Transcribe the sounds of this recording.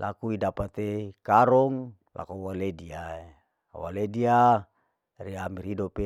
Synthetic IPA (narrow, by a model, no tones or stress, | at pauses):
lʔa̰kuidapat̪ekaɾɔŋ | lʔa̰kowalediae | a̰wa̰ledia | riamiɾidope